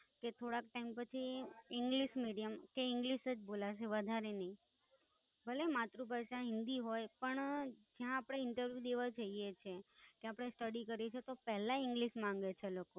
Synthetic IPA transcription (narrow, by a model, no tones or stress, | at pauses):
ket̪ʰoɽak̚ʈaimpət͡ʃʰiɪŋɡliʃmiɽijəmkeɪ̃ŋɡliʃəd͡ʒbolaʃeʋəd̪ʱaɾenəĩ | bəlemat̪ɾupəɾʃãɦɪ̃nd̪iɦojpəɳd͡ʒjãːpəɽ̃eɪɳʈəɾʋjud̪eʋad͡ʒəɦijet͡ʃʰekeapɽ̃esʈəɽikəɾet͡ʃʰet̪opɛɦlaɪ̃ŋɡliʃmãŋ̆ɡet͡ʃʰeloko